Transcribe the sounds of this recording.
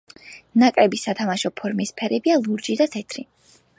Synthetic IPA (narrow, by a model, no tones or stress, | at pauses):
nakʼɾɛbisat̪ʰamaʃɔpʰɔɾmispʰɛɾɛbialˠuɾd͡ʒid̪at̪ʰɛt̪ʰɾi